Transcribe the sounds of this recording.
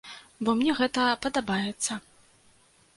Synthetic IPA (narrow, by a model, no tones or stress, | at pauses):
bɔmnʲɛɣɛt̪ɐpɐd̪abajɛt̪sːɐ